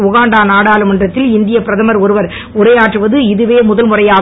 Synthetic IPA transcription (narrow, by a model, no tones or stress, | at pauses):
ʊɣaːɳɖaːnaːɽaːlɯmɛndrɐt̪ːɪlɪnd̪ɪjɐpɪɾɐðɐmɐɾɔɾɯʋɐɾ | ʊɾɐjaːʈrɯʋɐðɯɪðɯʋeːmʊðɐlmʊrɐjaː